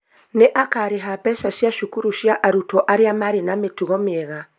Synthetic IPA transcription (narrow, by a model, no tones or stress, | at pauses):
neʔakaɾeɦapɛsasjaʃukuɾuʃjaʔaɾutɔʔaɾeamaɾenametuɣɔmeɛɣa